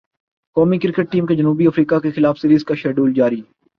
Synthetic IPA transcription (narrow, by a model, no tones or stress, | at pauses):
kɔːmikɪɾkəʈ̚ʈiːmked͡ʒɐnuːbiɐfɾiːkakexɪlaːfsɪɾiːskaʃɛːɖuːld͡ʒaːɾiː